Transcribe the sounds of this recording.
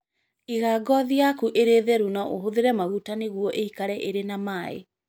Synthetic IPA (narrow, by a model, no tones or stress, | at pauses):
iɣaːɡɔðiakuʔeɾeðɛɾunɔʔoɦoðeɾɛmaɣutaneɣwɔʔeikaɾɛʔeɾenamaḛ